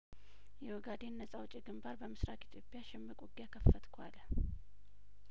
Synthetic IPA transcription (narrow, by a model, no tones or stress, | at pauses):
jɛwɔɡad̪e̞nːəsʼawt͡ʃʼːiɡɨmbaɾbəmɨsɾak̪ʼit̪ʰjo̞pʼjaʃɪmːɨkʼuɡjakʰəfːət̪kʰwal